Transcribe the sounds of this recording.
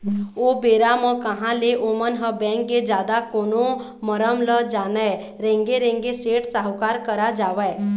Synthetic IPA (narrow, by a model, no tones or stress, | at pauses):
oːbeːɾamə̃kəɦãleʔomənɦəbɛ̃ːŋkːed͡ʒaːd̪akoːno | məɾəmləd͡ʒaːnə | ɾẽːŋɡeɾẽŋɡeseːʈsaɦwkaːɾkəɾad͡ʒaːʋɛː